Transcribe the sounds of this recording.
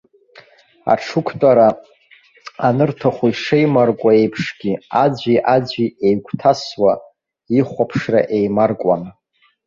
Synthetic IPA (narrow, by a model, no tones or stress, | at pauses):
a̰ʈ͡ʂʰukʷʰtʼaɾa | anɨrtʰaχʷuiʂejmarkʷʼae̞jpʰʂɡʲiad͡ʒʷiʔad͡ʑʷiejɡʷʰtʰaswa | iχʷapʰʂra̰ʔejmarkʷʼa̰n